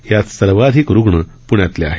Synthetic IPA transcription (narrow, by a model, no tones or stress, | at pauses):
jat̪səɾʋad̪ʱikɾuɡɳə | puɳjat̪lea̰ɦe